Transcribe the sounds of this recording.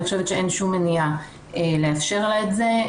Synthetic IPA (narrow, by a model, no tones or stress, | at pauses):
iχʃevet̪ʃee̞nʃumenija | ele̞afʃe̞ʁlaetze̞